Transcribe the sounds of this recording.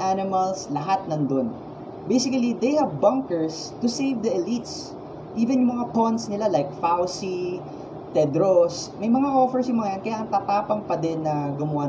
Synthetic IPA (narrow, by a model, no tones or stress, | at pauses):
ʔanɪmɐlslɐɦat̪̚nɐnd̪on | bejsɪkɐlid̪ejhɐvbɐŋkɛɹs | t̪ʊsejvd̪ɐʔɐlit̪s | ʔivɛnjʊŋmɐŋapɔnt̪snɪlalajk̚fawsi | t̪ɛd̪ɾosmɐjmɐŋaʔofɛɹsjʊŋmɐŋɐjankɐjaʔɐŋt̪ɐpaːpɐŋpɐd̪ɛnːɐɡʊmʊʔa